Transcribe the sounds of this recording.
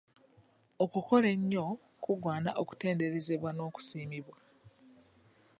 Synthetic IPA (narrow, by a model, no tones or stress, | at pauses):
okuko̞le̞ɲːo̞ | kuɡwaːnaʔoku̥te̞ːnde̞ɾe̞ze̞βwano̞ːku̥siːmiβwa